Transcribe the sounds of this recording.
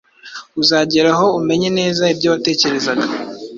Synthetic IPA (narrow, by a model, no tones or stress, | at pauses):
uzaːɟeɾaɦo̞ume̞ɲene̞ːzaibɟoβate̞ːce̞ɾe̞zaɡḁ